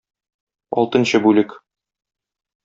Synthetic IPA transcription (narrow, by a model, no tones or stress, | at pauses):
ɒ̰lˠt̪ɤ̆nɕɤbʉlɘk